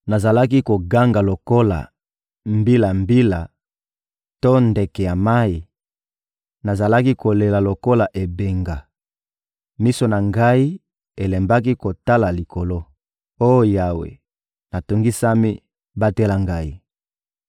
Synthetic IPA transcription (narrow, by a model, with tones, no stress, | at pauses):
na˨za˨la˦ki˦ko˨ɡa˦ŋɡa˨lo˨ko˦la̰˨ | mbi˦la˨mbi˦la˨ | to˦nde˨kɛ˨ja˨ma˦i˨ | na˨za˨la˦ki˦ko˨le˨la˨lo˨ko˦la˨ʔe˨be˨ŋɡa˨ | mi˦so˨na˨ŋɡa˦i˦ | e˨le˨mba˦k̬i˦ko˨ta˦la˨li˨kʰo˨lo˦ | o˦jo˦ja˨wḛ˨ | na˨to˨ŋɡi˦sa˦mi˦ | ba˦te˦la˨ŋɡa˦i˦